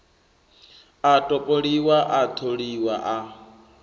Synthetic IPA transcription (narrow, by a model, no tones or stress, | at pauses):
atʼɔpʼoɺiwaʔat̪ʰoɺiwaʔa